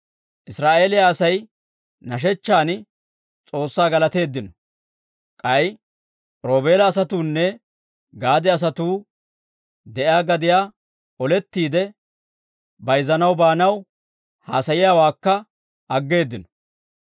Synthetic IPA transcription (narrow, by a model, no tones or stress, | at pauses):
ʔɪsɾaːʔe̞ːlɪjaːsɐj | nɐʃ̬ɛt͡ʃːaːn | t͡sʼo̞ːsːaːɡɐlɐt̪e̞ːd̪ːɪnɔ̥ | kʼɐj | ɾo̞ːbe̞ːlɐːsɐt̪uːnːɛ | ɡaːd̪ɛɐs̬ɐt̪uː | d̪ɛʔjaːɡɐd̪ɪjaː | ɔlɛt̪ːiːd̪ɛ | bɐjzɐnɐwbaːnɐw | ha̰ːsɐjɪjaːwaːkːɐ | ɐɡːe̞ːd̪ːɪnɔ̥